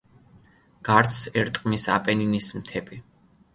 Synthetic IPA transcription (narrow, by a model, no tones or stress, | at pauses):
ɡ̥aɾt̪sɛɾt̪ʼqʼmisa̰pʼɛninismt̪ʰɛpʼi